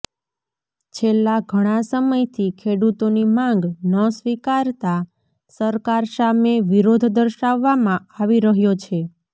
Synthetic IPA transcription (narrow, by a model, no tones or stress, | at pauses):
t͡ʃʰelːaɡʱəɽ̃asəməjt̪ʰikʰeɽut̪onimãŋɡnəsʋikaɾt̪a | səɾkaɾsameʋiɾod̪ʱd̪əɾʃaʋːamãaʋiɾəɦjot͡ʃʰe